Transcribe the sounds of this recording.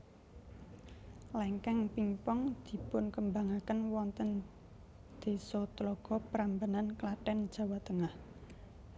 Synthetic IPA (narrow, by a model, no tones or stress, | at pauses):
lɛŋkɛŋpiŋpɔŋd̪̥i̤pʊnkəmbaŋakənwɔnt̪ən | d̪̥e̤sɔt̪lɔɡ̥ɔ̤pəɾambananklaʈɛnd̥ʒ̥ä̤wat̪əŋah